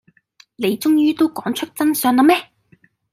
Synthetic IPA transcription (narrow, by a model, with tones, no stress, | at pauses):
le˨˧jt͡sʊ˥ŋjyː˥t̪o˥wkɔː˨˥ŋt͡ʃʰɵ˥k̚t͡sɐ˥nsœː˧ŋnlɐ˨˧mɛː˥